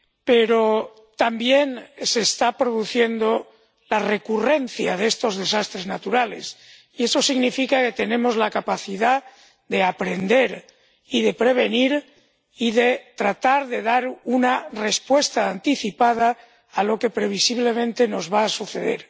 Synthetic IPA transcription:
peɾo | t̪ambje̞nse̞st̪apɾo̞ðuθje̞nd̪o̞ | lare̞kure̞n̟θjað̞e̞st̪o̞zðe̞sast̪ɾe̞znat̪uɾale̞̰s | ie̞so̞siɣnifikake̞t̪e̞nẽ̞mo̞zlakapaθiða | d̪e̞apɾe̞nd̪e̞ɾ | iðe̞pɾe̞β̞e̞niɾ | iðe̞t̪ɾat̪aɾðe̞ðaɾunare̞spwe̞st̪aːnt̪iθipað̞aː | lo̞ke̞pɾe̞β̞isiβle̞mẽ̞nt̪e̞no̞zβaːsuθe̞ðe̞̰ɾ

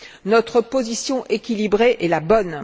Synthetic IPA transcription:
nɔt̪χəpozisjɔ̃ʔekʲilibʁeʔɛlabɔn

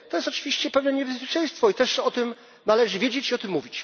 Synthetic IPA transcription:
t̪ɔjɛst̪ɔt͡ʂɨvʲiɕt͡ɕɛpɛvnɛɲɛbɛspʲjet͡ʂɛ̃j̃st̪fɔit̪ɛʂɔt̪ɘm | nalɛʐɘvʲjed͡ʑet͡ɕiɔt̪ɘmːuvʲit͡ɕ

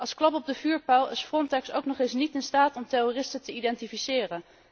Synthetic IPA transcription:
ɑlˠsklɑpɔb̚dəvyːɹpawˠɪsfrɔntɛkso̰wknɔχɪsnitɪnstaːtɔmterorɪstətəidɛntifisɪːrən

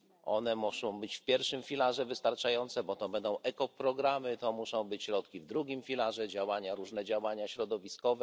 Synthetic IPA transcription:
ʔɔnɛmuʂɔ̃w̃bɘt͡ɕfpʲjɛɾfʂɘmfʲilaʐɛvɘst̪aɾt͡ʂajɔnt̪sɛbɔt̪ɔbɛnd̪ɔ̃w̃ʔɛkɔpɾɔɡɾamɘt̪ɔmuʂɔ̃w̃bɘt͡ɕɕɾɔt̪kʲivd̪ɾuɡʲimfʲilaʐɛd͡ʑawaɲaɾuʐnɛd͡ʑawaɲaɕɾɔd̪ɔvʲiskɔvɛ

